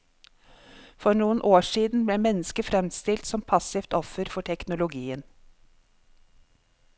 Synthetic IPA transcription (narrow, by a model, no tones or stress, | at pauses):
fɔɾɳuːənʔoːʂiːd̪n̩bleːmɛnːəskəfɾɛmst̪ɪlt̪sɔmpʰɑsɪft̪ɔfəɾfɔʈʰɛknʊlʊɡiːən